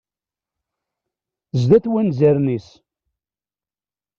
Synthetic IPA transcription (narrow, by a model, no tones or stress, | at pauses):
zðæθwænzæɾnis